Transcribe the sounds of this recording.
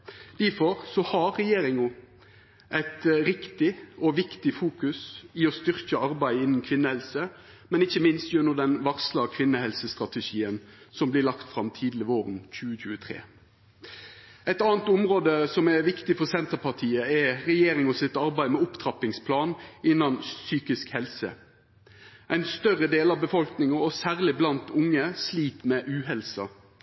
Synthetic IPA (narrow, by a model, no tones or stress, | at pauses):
d̪̥æfɔɾsɔhɑɾːɛjeːɾɪŋʊ | ʔæɪt̪ɾɪkt̪ɪɔʋɪkt̪ɪfuːkʉsɪɔst̪ʏʁkəɑɾbæɪɪnn̩kʰʋɪnːəhɛlsə | mɛnɪçːəmɪnst̪jʉnːʊd̪ɛnʋɑʁslɑkʰʋɪnːəhɛlsəst̪ɾɑt̪əʃiːənsɔmblɪlɑkt̪fɾɑmt̪ʰiːd̪lɪəʋoːɾənc͡çʉːəçʉːət̪ʰɾḛː | æɪt̪ɑːnt̪ʊmʁoːd̪əsɔmɛʋɪkt̪ɪfɔɾsɛnt̪əʁpʰɑʁt̪ʰiːəɛɾɛjeːɾɪŋɔsɪt̪ɑɾbæɪmɛʊpt̪ʰɾɑpɪŋspʰlɑːnɪnːɑnsyːkɪskhɛlsə̰ | ʔæɪnst̪œʁəd̪eːlɑʋbəfɔlknɪŋɑɔsæːʁlɪblɑnt̪ʊŋːəsliːt̪mɛʔʉːɦɛlsɑ̰